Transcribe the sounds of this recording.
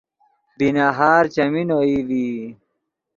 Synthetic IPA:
binaɦaːɾt͡ɕɐminoivi

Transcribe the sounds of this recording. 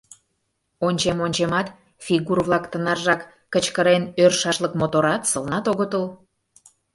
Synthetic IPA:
onʲt͡ɕemonʲt͡ɕemɑt̪ | fʲiɣurβlˠɑkt̪ə̆nɑrʒɑkː | ət͡ɕkəɾenørʃɑʃləkmot̪oɾɑt̪səlnɑt̪oɣət̪əl

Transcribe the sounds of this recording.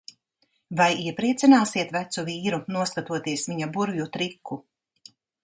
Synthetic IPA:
vajiɛpɾiɛt̪sinaːsiɛt̪væt̪suviːɾunuɔskat̪uɔt̪iɛsviɲabuɾjut̪ɾikʰːu

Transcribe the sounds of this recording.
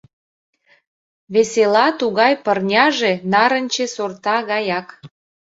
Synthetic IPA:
βeselɑt̪uɣɑjpərnʲɑʒenɑɾə̆nʲt͡ɕesort̪ɑɣɑjɑk

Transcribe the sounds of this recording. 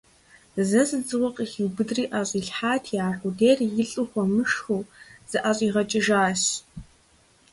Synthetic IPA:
zɐzɨd͡zʼɨwɐqʼxiwbɨdriːʔaːɕʷʼiːɬħaːtʰjaːħʷudeːrjɪɬʼɨχʷɔmɨʂxuz̥ɨʔaɕʼiːʁɐt͡ʃʼɪʒaːɕ

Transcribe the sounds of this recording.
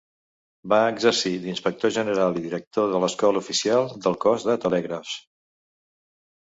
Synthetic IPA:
baəɡzəɾsid̪inspək̚t̪oʒənəɾalˠiðiɾək̚t̪oðələskɔləufisialˠd̪əlˠkɔzðət̪əlɛɣɾəf

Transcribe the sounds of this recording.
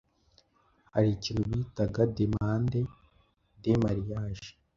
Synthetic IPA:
ha̰ɾicinhuβiːtaɡademaːnde | demaɾijaːʒi̥

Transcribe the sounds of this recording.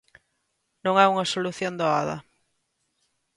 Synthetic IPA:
nõŋɛuŋɐsoluθjond̪oaðɐ̰

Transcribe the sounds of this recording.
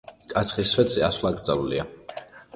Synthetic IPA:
kʼat̪sʰχisvɛd̪ziasvlˠaɡɾd̪zalulḭa

